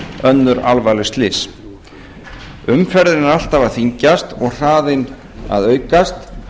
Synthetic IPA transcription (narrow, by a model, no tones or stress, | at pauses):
œnːʏɾalvaːlʏst̪lɪs | ʏmfɛɾðɪnaɾal̥t̪avaðθiɲcast̪ɔɣr̥aːðɪn | a̰ðœːɥkast̪